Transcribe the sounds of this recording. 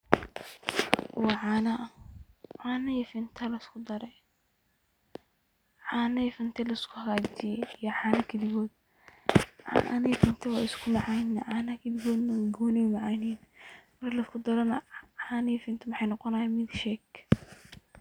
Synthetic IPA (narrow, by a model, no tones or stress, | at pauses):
wɑːʕɑːnɐ | ʕɑːnɐjɛfɪnt̪ʰɐlɐskʰʊd̪ɐɾɛj | ʕɑːnɐjfɐnt̪ʰɛlɐɪskʰʊhɐɣaːd͡ʒɪjɛijɔʕɑːnɐkʰɐd̪ɪɣɔːd̪̚ | ʕɑ̰nɐjɛfɪnt̪ʰɐwɑːɪskʰʊmɑʕɑjnːɐʕɑːnɐkʰɐd̪ɪɡɔːd̪nɐɡɔːnɛʊmɑʕɑjninmɐrlɐskʰʊd̪ɐɾɐnɐʕɑːnɐjfɪnt̪ʰɐmɐħɑjnɔqɔnaːjamɪd̪ʃɛːk